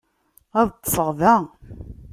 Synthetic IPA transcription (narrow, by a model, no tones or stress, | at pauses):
æðt̪ˤːə̥fəʁðæ